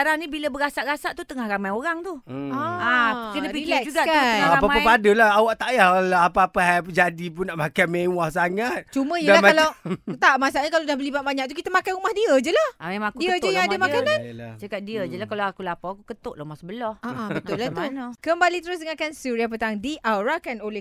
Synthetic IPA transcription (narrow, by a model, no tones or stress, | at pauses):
aɾaŋnĩbiləbəɡasaʔɡasaʔt̪ut̪əŋahɾamajoɾaŋt̪uaakənəpilɛkd͡ʒuɡaʔkaaapapapadəlahawaʔt̪aʔjalaapaːpahajpd͡ʒadip̬ʊnaʔmakajmewahsaŋat̪̚t͡ʃuməijəalahmalawt̪aʔmasaʔɲakaladahbəlibat̪̚baɲaʔ̚t̪̬ukit̪əmakanumahdiəd͡ʒəlahamemãŋakuiəd͡ʒəjaaŋadəmakanãnnt͡ʃəkat̪̚diəd͡ʒəlahkalaakulapaakukət̪oʔlaumahsəbəlɔhaʔabətnʊʔlat̪unkəmbalit̪əɾʊs̬dəŋakansuɾiapət̪aŋdiʔawɾakanoleh